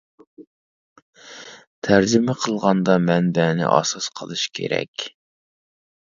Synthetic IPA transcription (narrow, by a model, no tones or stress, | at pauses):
t̪ʰæɾd͡ʒɪmɪqʰəlˠʁɑnd̪ɑmɛnbɛnɪ̰ʔɑ̰sɑsqʰəlˠɨʃkʲʰḛɾɛ̰kʲ